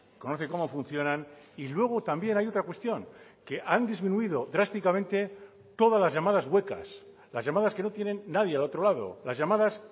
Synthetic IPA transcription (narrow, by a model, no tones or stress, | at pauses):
kono̞θeko̞mo̞funθjo̞nãnilwe̞ɣ̞ot̪ambje̞najo̞t̪ɾakwe̞st̪jo̞ŋke̞ʔand̪izmĩnuiðo̞d̪ɾast̪ikamẽ̞nt̪e̞ | t̪o̞ðazlazʝamaðazɣwe̞ka̰s | lazʝamaðaske̞no̞t̪jenẽ̞nːaðjealo̞t̪ɾo̞laðo̞̰lazʝamaðas